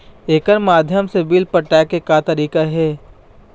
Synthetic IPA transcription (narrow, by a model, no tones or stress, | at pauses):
eːkənmaːd̪ʱjəmsebilpɐʈaːkekat̪ɐɾiːkaɦɛː